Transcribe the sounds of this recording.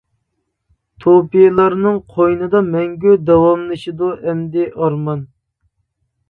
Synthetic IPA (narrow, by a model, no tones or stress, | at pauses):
t̪ʰopijlˠɑɾnɨŋqʰojnɨd̪ɑmɛŋɡʲyd̪ɑwɑmlˠɨʃid̪uʔɛmd̪ɪʔɑɾmɑn